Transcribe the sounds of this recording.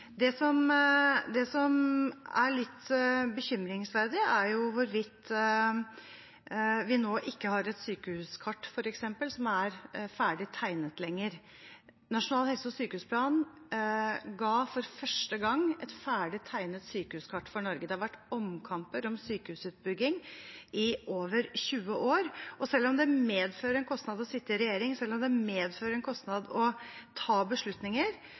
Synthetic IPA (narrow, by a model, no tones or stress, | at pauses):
d̪ɛsɔmd̪ɛsɔmæɾɭɪt̪ːbəçʏmɾɪŋsʋæɾd̪ɪæɾjʊʋʊɾʋɪt̪ː | ʋɪnoːʔɪkːəhɑɾɛt̪syːkəʉːskʰɑʈːfɔɾɛksɛmpəlsɔmæɾfæːɖɪt̪ʰːæɪnət̪lɛŋːəɾ | nɑʂʊnɑːlhɛlsəɔsyːkəhʉːspʰlɑːn | ɡɑːfɔɾfœʂʈəɡɑŋːɛt̪fæːɖɪt̪ʰːæɪnət̪syːkəʉːskʰɑʈːfɔɳɔɾɡəd̪ɛhɑɾʋæʈːɔmkʰɑmpəɾɔmsyːkəʉːsʉːt̪̚bʏɡːɪŋʔɪʔoːʋəɾçʉːəʔoːɾɔsɛlːɔmd̪ɛmeːd̪føːɾəɛnkʰɔst̪nɑd̪ɔsɪt̪ːəɾɛjeːɾɪŋsɛlːɔmd̪ɛmeːd̪føːɾəɾɛnkʰɔst̪nɑd̪ɔt̪ʰɑːbəʂɭʉt̪nɪŋəɾ